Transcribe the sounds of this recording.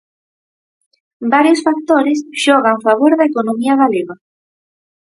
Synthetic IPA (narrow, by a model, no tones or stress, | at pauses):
baɾjosfak̚t̪oɾesʃɔɣ̞aɱfaβ̞oɾðaekonomiaɣaleβa